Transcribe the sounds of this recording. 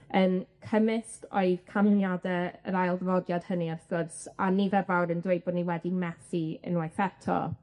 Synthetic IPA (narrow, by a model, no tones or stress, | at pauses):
ənkʰəmɪstɔɨð̥kʰamɪnjadɛəɾajlˠðəvɔdjad̥həniarθɔsaniðɛvawɾəndwejbɔdniwɛdimɛθiə̰nwajθɛtʰɔ̰